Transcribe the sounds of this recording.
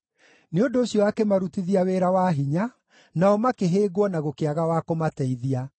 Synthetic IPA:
neondoːɕijɔakemaɾutiðiaweɾawaːɦiɲa | naɔmakeɦeːɡwɔnaɣokeaɣawakomatɛiðia

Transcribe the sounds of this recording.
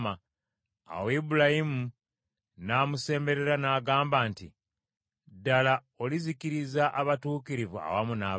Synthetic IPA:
ma | a̰webulahimu | naːmuse̞ːmbe̞ɾe̞ɾanaːɡaːmbaːnti | dala | olizikiɾizaʔaβatuːkiɾivua̰wamuna

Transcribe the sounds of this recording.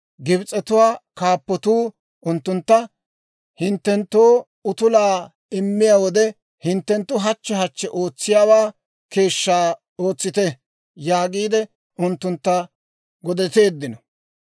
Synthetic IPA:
ɡɪbt͡sʼɛt̪ʊwaːkaːpːɔt̪uː | ʔʊnt̪ːʊnt̪ːɐ | hɪnt̪ːɛnt̪ːoː | ʊt̪ʊlaː | ɪmːɪjaːwɔd̪ɛ | hɪnt̪ːɛnt̪ːʊɦɐt͡ʃːɛɦɐt͡ʃːɛʔo̞ːt͡sːɪjaːwaː | ke̞ːʃːaː | o̞ːt͡sːɪt̪ɛ | jaːɡiːd̪ɛ | ʊnt̪ːʊnt̪ːɐ | ɡɔd̪ɛt̪e̞ːd̪ːɪnɔ

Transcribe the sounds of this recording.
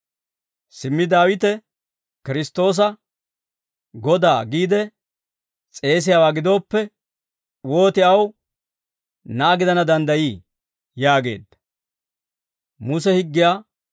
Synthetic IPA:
sɪmːɪd̪aːwɪt̪ɛ | kɪɾɪst̪o̞ːs̬ɐ | ɡɔd̪aːɡiːd̪ɛ | t͡sʼe̞ːs̬ɪjaːwaːɡɪd̪o̞ːpːɛ | wo̞ːt̪ɪɐw | nɐːɡɪd̪ɐnɐd̪ɐnd̪ɐjiː | jaːɡe̞̰ːd̪ːɐ | mʊsɛhɪɡːɪjaː

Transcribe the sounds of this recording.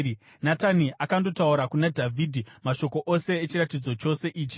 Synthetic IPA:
nataniʔakando̞tauɾakunadʱavʱidʱimaʃo̞ko̞ʔose̞ːt͡ʃiɾatid͡zo̞t͡ʃo̞se̞ʔiːt͡ʃi̥

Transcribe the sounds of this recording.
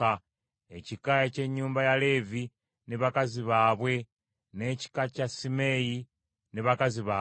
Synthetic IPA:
a | ecikajace̞ɲːuːmbajale̞ːvi | neβakaziβaːβwe̞ | ne̞ci̥kacasime̞ːji | neβakaziβa

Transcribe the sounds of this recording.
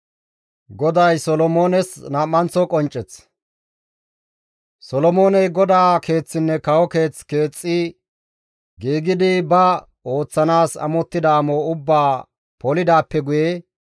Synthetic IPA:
ɡɔd̪ɐjsɔlɔmoːnɛsnaːmːɐnt͡sːɔkʼɔnt͡ʃʼːɛt͡s | sɔlɔmo̞ːnɛjɡɔd̪aːke̞ːt͡sːɪnːɛkɐwɔke̞ːt͡ske̞ːt͡sʼːɪ | ɡiːɡɪd̪ɪbɐ | o̞ːt͡sːɐnaːsɐ̰mɔt̪ːɪd̪ɐːmoːʊbːaː | pɔlɪd̪aːpːɛɡʊje

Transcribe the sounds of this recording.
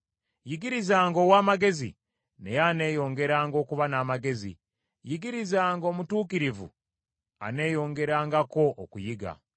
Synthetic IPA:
jiɡiɾizaːŋɡo̞ːwaːmaɡe̞zḭ | ne̞jane̞ːjo̞ːŋɡe̞ɾaːŋɡo̞ːkuβanaːmaɡe̞zḭ | jiɡiɾizaːŋɡo̞ːmutuːkiɾivṵ | a̰ne̞ːjo̞ːŋɡe̞ɾaːŋɡako̞ʔokujiɡa̰

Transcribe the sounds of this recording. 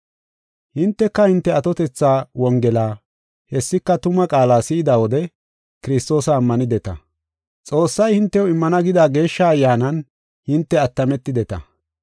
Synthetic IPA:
hɪnt̪ːɛkːɐhɪnt̪ːɛɐt̪ɔt̪ɛt͡sːaːwɔŋɡɛlaː | hɛsːɪkːɐt̪ʊmɐkʼaːlaːsɪɪd̪ɐwɔd̪ɛ | kɪɾɪst̪o̞ːsɐːmːɐnɪd̪ɛt̪ɐ̰ | t͡sʼo̞ːsːɐjhɪnt̪ːɛʊɪmːɐnɐɡɪd̪aːɡe̞ːʃːaɐjːaːnɐn | hɪnt̪ːɛɐt̪ːɐmɛt̪ːɪd̪ɛt̪ɐ̰

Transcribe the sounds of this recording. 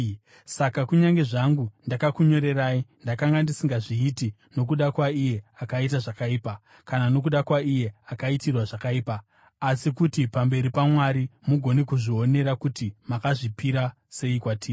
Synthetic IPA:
sakakuɲaŋɡe̞ʐaŋɡundakakuɲo̞ɾe̞raindakaŋɡandisiŋɡaʐiːti | no̞k̬uɗakwaije̞akait̬aʐakaiːpa | kanano̞k̬uɗakwaije̞akaitirwaʐakaiːpaː | sikutipambe̞ɾipamwaɾimuɡʱo̞nekuʐio̞ne̞ɾakutimakaʐipiɾa | se̞ikwatʰiː

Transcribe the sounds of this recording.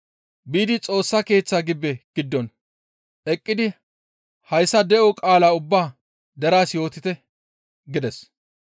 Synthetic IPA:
biːd̪ɪt͡sʼo̞ːsːɐke̞ːt͡sːaːɡɪbːɛɡ̥ɪd̪ːɔn | ʔɛkʼːɪd̪ɪ | hɐjsɐd̪ɛʔɔkʼaːlaːʊbːaː | d̪ɐɾaːsjo̞ːt̪ɪt̪ɛ | ɡɪd̪ɛs

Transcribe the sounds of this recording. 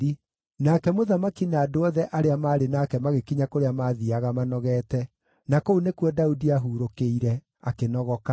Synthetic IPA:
i | naːkɛmoðamakinaːdoɔðɛʔaɾeamaːɾenaːkɛmaɣekiɲakoɾeamaːðiaɣamanɔɣɛːtɛ | nakounekwɔdaudiaɦuːɾokeiɾɛ | akenɔɣɔka

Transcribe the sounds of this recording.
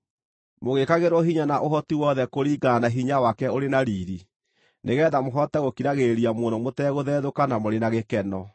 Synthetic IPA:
moɣekaɣeɾoɦiɲanaʔoɦɔtiwɔðɛkoɾiːɡanaɦiɲawakɛoɾenaɾiːɾi | neɣɛːðamoɦɔtɛɣokiɾaɣeɾiamonomotɛɣoðɛːðokanamoɾenaɣekɛnɔ

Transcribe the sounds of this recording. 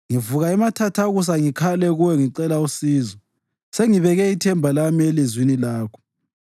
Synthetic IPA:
ŋivuɣaɛmatʰatʰaɣus̬aŋikʰalɛɣuwɛŋiǀɛlausiːzɔ | seŋiβɛɣɛitʰɛmbʱalamielizwinilaːkʰɔ̥

